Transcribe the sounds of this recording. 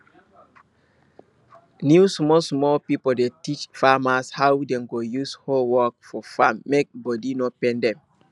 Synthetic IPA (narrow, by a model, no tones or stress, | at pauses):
nusmɔlsmɔlpipodetit͡ʃfamashawdɛ̃mɡojusholwɔk̚fɔfamːek̚bɔdinɔpɛ̃ndɛ̃m